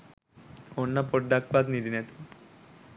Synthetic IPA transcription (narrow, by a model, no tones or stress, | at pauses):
onːapoʈ̚ɖak̚ʰbad̪nid̪ʱinɛt̪u̥